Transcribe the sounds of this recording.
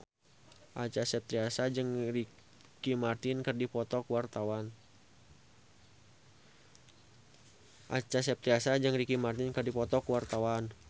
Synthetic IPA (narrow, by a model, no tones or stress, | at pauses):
ʔat͡ʃasɛp̚t̪ɾiasad͡ʒɨŋri | kimart̪ɪnkərdipɔt̪ɔkuwart̪awan | ʔat͡ʃasɛp̚t̪ɾiasad͡ʒɨŋrikimart̪ɪnkərdipɔt̪ɔkuwart̪awan